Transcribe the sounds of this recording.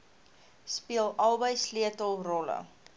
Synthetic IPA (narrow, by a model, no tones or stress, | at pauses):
spiəlˠʔɐlˠbəjsliətəlˠrɔlə̰